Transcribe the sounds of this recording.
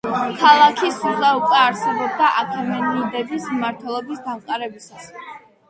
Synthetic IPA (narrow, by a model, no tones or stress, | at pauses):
kʰalˠakʰisuʁaukʼwɛaɾsɛbɔb̚d̪aʔakʰamɛniid̪ɛbismmaɾt̪ʰwɛlˠɔbisd̪amqʼaɾɛbisas